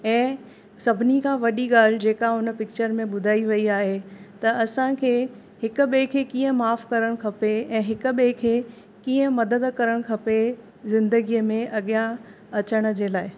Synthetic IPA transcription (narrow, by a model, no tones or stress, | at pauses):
ɛ̃ː | sɐbʱɪnikʰãːʋɐɗiɠaːl̤d͡ʑeːkaʊnəpɪk̚t͡ɕəɾmẽɓʊd̪ʱaːiʋɐiaːɦet̪ɐɐsãkʰeː | hɪkʊ̆ɓẽkʰeːkiːə̃maːfkɐɾəɽ̃kʰɐpeɛ̃ːɦɪkʊ̆ɓẽkʰeː | kiːə̃mɐd̪əd̪kɐɾəɽ̃kʰɐpe | zɪ̃nd̪əɡijəmẽʔɐɠja | ɐt͡ɕəɽ̃̆d͡ʑeːlaːɪ